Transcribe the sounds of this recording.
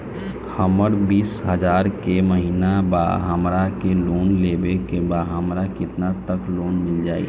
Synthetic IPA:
həməɾbiːsɦəd͡ʒaːɾkeməɦiːnaba̰ɦəmɾakeloːnlebekebaɦəmɾakɪt̪nat̪əkloːnmɪld͡ʒaːḭ

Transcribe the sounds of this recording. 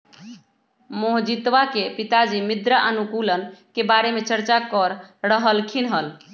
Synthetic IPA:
moɦd͡ʒit̪ʋakepit̪ad͡ʒimid̪ɾəʔənukulənkebaɾemet͡ʃəɾt͡ʃakəɾɾəɦəlkʰinɦəl

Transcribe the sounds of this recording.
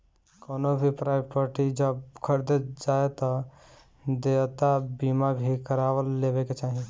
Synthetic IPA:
koːnobʱipɾaːɪbpaːɾʈid͡ʒəbkʰəɾd̪ed͡ʒaːet̪ɔ | d̪eːt̪abiːmabʱikəɾaːʋəlːeːʋeket͡ʃaːɦĩ

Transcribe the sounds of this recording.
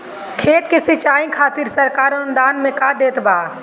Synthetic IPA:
kʰeːt̪kesɪt͡ʃaːĩkʰaːt̪ɪɾsəɾkaːɾond̪aːnmẽkaːd̪eːt̪baː

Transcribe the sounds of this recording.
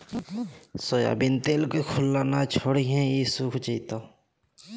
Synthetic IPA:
soːja̰ːbint̪eːlkekʰʊlːaːnat͡ʃʰoːɽiɦɛ̃jisukʰt͡ʃiːt̪o

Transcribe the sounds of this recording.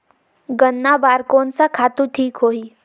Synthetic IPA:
ɡənːabaːɾkoːnsakʰaːt̪ũʈʰiːkɦoːiː

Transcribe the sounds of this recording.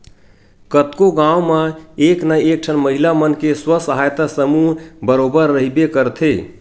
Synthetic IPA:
kət̪koɡãwmaeknaek̚ʈʰənməɦilamənkeswəsəɦajt̪asəmuɦbəɾobəɾːəɦibekəɾt̪ʰe

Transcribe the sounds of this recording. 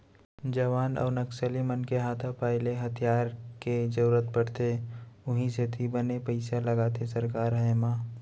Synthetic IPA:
d͡ʒɐʋaːnɔ̰ːɾnəksəlimənkeɦaːt̪ʰapaːɪleɦɐt̪ʰijaːɾked͡ʒəɾuɾət̪̚bəɽ̤t̪eʊɦĩset̪ʰibənepɐɪsalɐɡaːt̪ʰesɐɾkaːɾɦɐemaː

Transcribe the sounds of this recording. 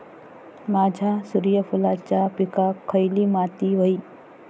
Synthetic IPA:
maːd͡ʒʱasuɾijəpʰulaːt͡ʃapikakʰːəjlimaːt̪iʋəi

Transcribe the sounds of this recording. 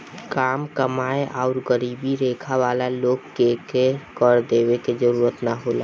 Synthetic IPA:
kaːmkəmaːeʔaʊɾɡəɾiːbiɾeːkʰaʋaːlaloːɡkekekəɾd̪eːweked͡ʒəɾuːɾət̪naɦoːla

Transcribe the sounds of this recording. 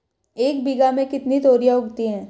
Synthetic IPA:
eːkbiɡamẽkɪt̪nit̪oːɾijaʊɡt̪iɦɛ̃ː

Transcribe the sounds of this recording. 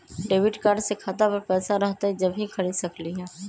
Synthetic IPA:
ɖeːʋɪʈkaːɾɖsekʰat̪apɐɾpɛːsaɾɐɦt̪aɦɛd͡ʒɐbʱɦĩkʰɐɾisɐkliɦɛː

